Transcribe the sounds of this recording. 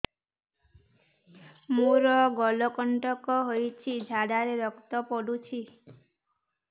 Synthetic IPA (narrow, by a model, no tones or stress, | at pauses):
muɾɔɡɔlɔkɔɳʈɔkɔɦojt͡ʃʰid͡ʒʱaɽaɾeɾɔkt̪ɔpɔɽut͡ʃʰi